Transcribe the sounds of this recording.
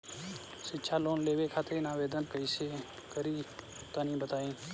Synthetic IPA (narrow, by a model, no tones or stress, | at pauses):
sɪtːʃʰaːloːnleːʋekʰaːt̪enaːʋeːd̪ənpəɪse | kəɾi | t̪anĩːbət̪aːĩː